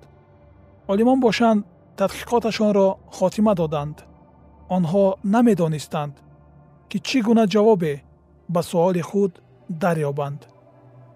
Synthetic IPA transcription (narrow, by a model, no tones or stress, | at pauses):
ɔlimɔnbɔʃand̪ | t̪ʰːad̪qʰi̥qʰɔt̪aʃɔnɾɔχɔt̪ʰimad̪ɔd̪and̪ | ɔnɦɔname̞d̪ɔnist̪and̪ | kit͡ʃʰiɡunad͡ʒavɔbe | basuɔliχud̪ː | aɾjɔband̪